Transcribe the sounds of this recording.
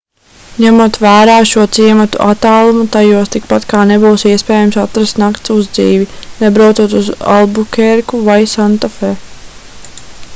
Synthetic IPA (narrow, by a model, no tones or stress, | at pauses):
ɲæmuɔt̪væːɾaːʃuɔt̪siɛmat̪ṵʔat̪ːaːlˠumut̪ajuɔst̪ik̚pat̪kaːnebuːsiɛspɛːjamsat̪ɾast̪nakt̪suzd̪zḭːvinɛbɾawt̪uɔt̪uza̰lˠbukʲɛɾkuvajsant̪afeː